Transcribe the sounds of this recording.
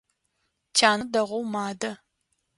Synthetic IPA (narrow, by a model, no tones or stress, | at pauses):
t͡ʃʰaːnɐdɐʁʷowmaːdɐ